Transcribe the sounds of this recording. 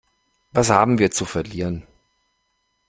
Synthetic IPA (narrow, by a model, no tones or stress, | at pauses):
vashaːbm̩viːɐt͡sufɛɐliːʁən